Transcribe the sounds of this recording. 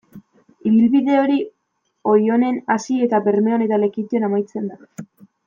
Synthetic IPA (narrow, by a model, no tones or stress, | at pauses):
iβilβiðe̞o̞ɾi | o̞jo̞ne̞nasie̞t̪aβe̞ɾme̞o̞ne̞t̪ale̞kit̪ionamajt͡se̞nd̪a